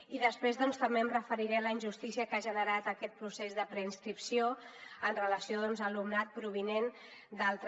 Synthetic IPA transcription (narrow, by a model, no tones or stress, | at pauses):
iðəspɾezðɔnst̪əmbeəmrəfəɾiɾɛləinʲʒust̪isiəkaʒənəɾat̪əkɛt̪̚pɾusezðəpɾəinskɾipsioənrələsioðɔnzəlumnat̪̚pɾuβ̞inen | d̪alˠt̪